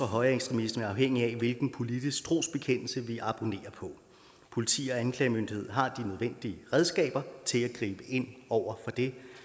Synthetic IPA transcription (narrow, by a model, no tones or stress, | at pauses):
ɒɦɒ̽ɪɐeksd̥ʁemisd̥ɐn̩æɑ̈ʊɦeŋ̰iæʋe̝lɡ̥n̩pʰo̝lid̥isɡ̥̚t͡sʰʁo̝̰ːsb̥e̝kʰen̰l̩səʋiʔɑ̈b̥o̝ne̝̰ːɐpʰɒ̽ | pʰo̝lit͡sʰḭːɒ̽ænkʰlɛɪmønd̥ihe̝ð̞̰ˠɦɑ̈d̥inøð̞ˠʋen̰d̥iəʁɛðˠsɡ̥ɛ̰ːb̥ɐt͡sʰe̝læɡ̥ʁḭːb̥əʔe̝n̰ɒʊ̰ɐfɒ̽d̥e̝